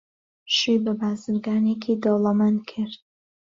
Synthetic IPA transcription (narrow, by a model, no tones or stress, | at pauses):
ʃyːbabaːzɨɾɡaːneːkʰiːd̪olˠamankʰɨɾt̪̚